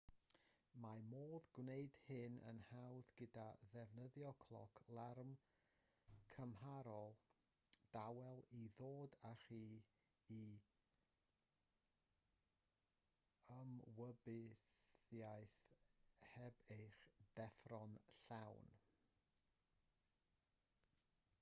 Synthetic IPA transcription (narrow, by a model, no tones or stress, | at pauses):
mamoːðɡwneɨd̥hɪnə̰nhawðɡədaðɛvnəðjɔkʰlˠɔ̰kʰlˠarm | kʰəmɦaɾɔlˠ | d̥awɛlˠiðoːdaχiː | i | əmwəbɪθjajθ | hɛbejχd̥ɛfrɔnɬawn